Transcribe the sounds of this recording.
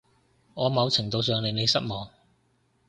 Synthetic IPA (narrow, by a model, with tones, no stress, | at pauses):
ŋɔː˨˧mɐ˨˧wt͡sʰɪ˨˩ŋt̪o˨˧ws̬œː˨˧ŋnle˨˧jne˨˧jsɐ˥t̚mɔː˨˧ŋ